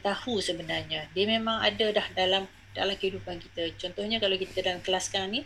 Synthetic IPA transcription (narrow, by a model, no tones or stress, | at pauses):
t̪ahusəbənarɲãdiəmemãŋa̰dadahdalam | dalamkəidupankit̪at͡ʃɔnt̪ɔhɲakalawkit̪adalamkəlaskaŋni